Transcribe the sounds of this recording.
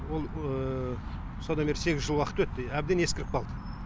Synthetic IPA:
wolˠə | sod̪ɑmbeɾse̞ɡʲɪzʒəlˠwɑqət̪wɵt̪ːɪæbd̪eneskʲɪɾɪp̚qɑlˠd̪ə

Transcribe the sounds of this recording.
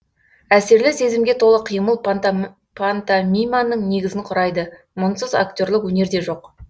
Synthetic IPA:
æse̞ɾlɪse̞zɪmɡʲe̞t̪ʰo̞lˠəqʰijməlˠ | pʰant̪amʲijmanːəɴne̞ɡʲɪzɪŋqʰʊɾɑjd̪ə | mʊnsəza̰k̚t̪ʲo̞ɾlˠɪkwɵne̞ɾd̪e̞ʒo̞q

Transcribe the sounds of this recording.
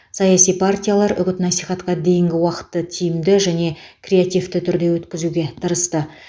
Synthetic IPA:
sɑjasijpʰart̪ʲijalˠɑɾʔʏɡʲɪt̪nɑsijχɑt̪qɑd̪e̞jɪŋɡʲɪwɑqə̥t̪ːət̪ʰijɪmd̪ɪʒæne̞kʰrʲe̞at̪ijft̪ɪt̪ʰʏɾd̪e̞wɵt̪kʲɪzuɡʲe̞t̪ʰəɾəst̪ə

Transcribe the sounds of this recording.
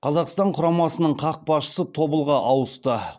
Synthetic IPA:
qʰɑzɑqst̪ɑɴqʰʊɾɑmɑsənəɴqʰɑq̚bɑsʃə̥sət̪ʰo̞bəlˠʁɑʔɑwəst̪ə

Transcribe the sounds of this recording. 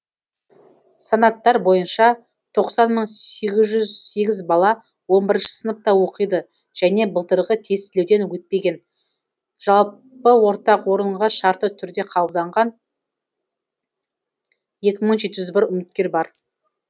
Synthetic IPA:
sɑnɑt̪ːɑɾbo̞jənʃɑ | t̪ʰo̞qsɑnməɴe̞ɡʲɪzʒʏzse̞ɡʲɪzbɑlˠɑ | wo̞mbɪɾɪnʃɪ̥sənəp̚t̪ɑwo̞qəjd̪ə | ʒ̥æne̞bəlˠt̪əɾʁət̪ʰe̞st̪ɪlewd̪e̞nwɵt̪̚pe̞ɡʲe̞n | ʒ̥ɑlˠ | pəwo̞ɾt̪ɑqwo̞ɾəɴʁɑʃɑɾt̪ət̪ʰʏɾd̪e̞qʰɑb̪əbd̪ɑɴʁɑn | je̞kʲɪməɴʒe̞t̪ɪʒʏzbɪɾʏmɪt̪kʲe̞ɾbɑɾ

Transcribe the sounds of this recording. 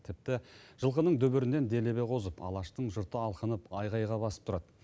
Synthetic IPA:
t̪ʰɪp̚t̪ɪʒ̥əlˠqənəɴd̪ɵbɪɾɪne̞nd̪e̞le̞be̞qʰo̞zəpɑ̰lˠɑʃt̪əɴʒʊɾt̪əɑlˠqənəpɑjʁɑjʁɑbɑsə̥p̚t̪ʰʊɾɑd̪

